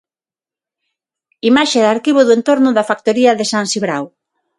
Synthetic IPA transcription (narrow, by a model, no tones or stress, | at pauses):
imaʃeðaɾkiβoðoent̪oɾnʊðafak̚t̪oɾiɐðɪsansiβɾaw